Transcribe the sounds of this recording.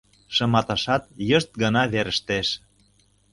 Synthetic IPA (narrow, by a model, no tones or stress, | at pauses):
ʃɤ̆mɑt̪ɑʃɑt̪̚jə̆ʃt̪̚ɡɤ̆nɑβeɾə̆ʃt̪eʃ